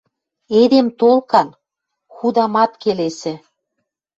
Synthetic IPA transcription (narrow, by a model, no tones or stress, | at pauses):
ed̪emt̪olkɑn | xud̪ɑmɑt̪kelesĕ